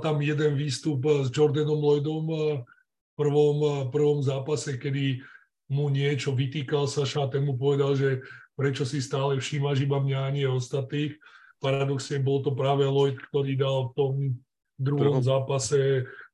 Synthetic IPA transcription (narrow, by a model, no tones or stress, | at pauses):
t̪amjɛd̪ɛnʋiːst̪upzd͡ʒɔɾd̪ɛnɔmlɔjd̪ɔm | fpr̩ʋɔmpr̩ʋɔmzaːpasɛkɛd̪i | muɲɪɛt͡ʃɔʋit̪iːkalsaʃaːt̪ɛnmup̬ɔʋɛd̪alʒɛpɾɛt͡ʃɔsist̪aːlɛfʃiːmaʒibamɲaːɲɪɛɔst̪at̪niːx | paɾad̪ɔksɲɛbɔlt̪ɔpɾaːʋɛlɔjt̪kt̪ɔɾiːd̪alft̪ɔm | d̪ɾuɦɔmzaːpasɛ